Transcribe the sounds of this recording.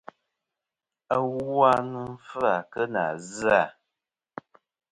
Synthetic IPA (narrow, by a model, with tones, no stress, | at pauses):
a˦wwa˦nɨ˦m̩˦fɨ˦a˨kə˦na̰˨za˨